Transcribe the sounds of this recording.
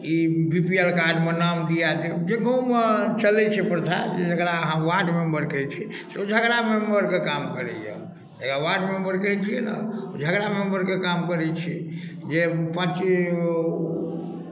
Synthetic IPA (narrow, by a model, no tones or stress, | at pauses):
ibipielkaɾɖmenamd̪ijat̪ed͡ʒekõmet͡ʃəlɛt͡ʃʰɛpɾt̪ʰa̰d͡ʒed͡ʒəkɾaəɦãʋaɖmembəɾkət͡ʃʰi | seod͡ʒʱəɡɾamembəɾkekamkəɾɛ̰jə̰ | d͡ʒəkaʋaɖmembəɾkət͡ʃʰiena̰od͡ʒʱəɡɾamembəɾkekamkəɾɛt͡ʃʰid͡ʒepãt͡ʃi